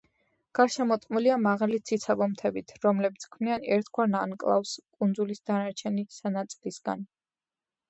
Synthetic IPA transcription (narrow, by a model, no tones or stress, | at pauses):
ɡ̥aɾʃɛmɔt̪ʼqʼmuliamaʁalit̪sʰit̪sʰabɔmt̪ʰɛbit̪ʰɾɔmlɛbit̪sʰkʰvnianɛɾt̪ʰɡwaɾnankʼlˠa̰fskʼund̪zulisd̪anaɾt͡ʃʰɛnisanat̪sʼilisɡ̥a̰n